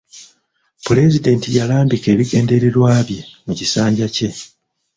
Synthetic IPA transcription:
pule̞zide̞ntijalaːmbike̞ːβiɡe̞ːnde̞ɾe̞ɾwaːβjemucisaːɲɟace̞

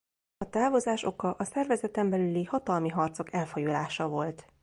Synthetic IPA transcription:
ɒt̪aːvo̞zaːʃo̞kɒʔɒsɛrvɛzɛt̪ɛmbɛlylihɒt̪ɒlmiɦɒrt̪so̞kɛlfojolaːʃɒvo̞lt̪

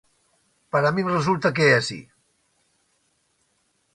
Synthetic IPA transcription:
pəɾəmimrəzulˠt̪ək̬easḭ

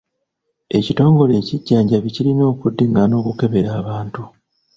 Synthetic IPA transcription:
e̞cito̞ːŋɡo̞le̞ːciɟːaːɲɟaβicilino̞ːkudːeŋɡano̞ːkuke̞βe̞ɾaːβaːntu

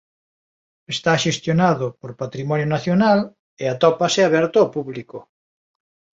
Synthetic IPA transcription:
est̪aʃest̪jonaðʊpoɾpat̪ɾimɔnjonaθjonal | eat̪ɔpaseaβɛɾt̪oopuβlikʊ

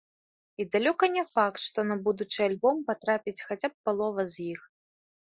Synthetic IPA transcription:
id̪alʲɔkɐnʲɛfakt̪ʂt̪ɔnɐbud̪ut͡ʂɨjalʲbɔmpat̪ɾapʲit͡sʲxat͡sʲap̚ːalˠɔvɐzʲjix

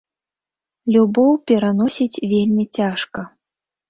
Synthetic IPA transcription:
lʲubɔwpʲɛɾanɔsʲit͡sʲvʲelʲmʲit͡sʲaʂkɐ

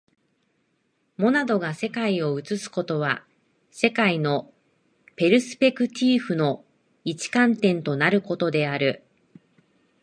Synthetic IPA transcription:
mo̞nad̪o̞ɡase̞kaio̞ɯ̟t͡sɨsɨ̥ko̞t̪o̞βa | se̞kaino̞ | pe̞ɾɯ̟sɨ̥pe̞kɯ̟t̪ʲʰiːɸɯ̟no̞ | it͡ɕi̥kãnt̪ẽ̞nt̪o̞naɾɯ̟ko̞t̪o̞d̪e̞aɾɯ̟

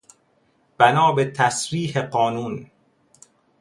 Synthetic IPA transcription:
b̥ænɒːbet̪ʰæsɾiːɦeɢɒːnuːn

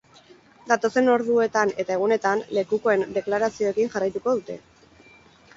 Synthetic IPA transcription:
d̪at̪o̞se̞no̞ɾðue̞t̪ane̞t̪ae̞ɣ̞une̞t̪anle̞kuko̞e̞nd̪e̞klaɾasio̞ekiŋʝarajt̪uko̞ðut̪e̞̰

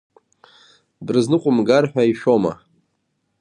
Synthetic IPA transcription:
brznɨqʷʼʊmɡarħᶣaiʃᶣoma̰

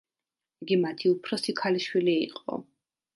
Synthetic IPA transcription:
iɡimat̪ʰiupʰɾɔsikʰaliʃwiliḭqʼɔ̰

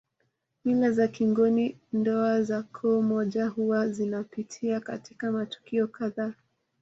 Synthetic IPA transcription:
milazakiŋɡɔnindɔazakʰɔmɔʄahuwazinapitʰiaka̰tikamatu̥kiɔkaðaː

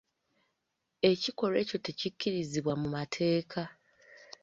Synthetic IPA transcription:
e̞ciko̞ɾe̞ːco̞te̞cicːiɾiziβwamumatʰe̞ːkʰa

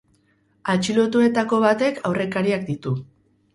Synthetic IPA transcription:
at͡ʃilo̞t̪ue̞t̪ako̞β̞at̪e̞kʰawre̞kaɾiak̚d̪it̪u

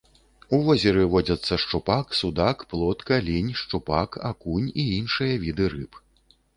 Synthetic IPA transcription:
uvɔzʲɛɾɨvɔd͡zʲɐt̪sːɐʂt͡ʂupaksud̪akplˠɔt̪kɐlʲinʲʂt͡ʂupaka̰kunʲiinʂɨjɐvʲid̪ɨɾɨp

